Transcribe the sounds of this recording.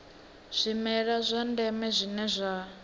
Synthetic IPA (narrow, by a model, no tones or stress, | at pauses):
z̥ʷimɛɺazʷandɛmɛzʷinɛzʷa